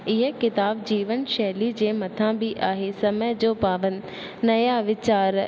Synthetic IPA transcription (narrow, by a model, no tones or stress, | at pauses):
ɪɦəkɪt̪aːbd͡ʑiːʋənʃɛɦlid͡ʑeːmɐt̪ʰãbɪʔaːɦesɐməjd͡ʑoːpaːʋən̆ː | ɐjaʋɪt͡ɕaːɾ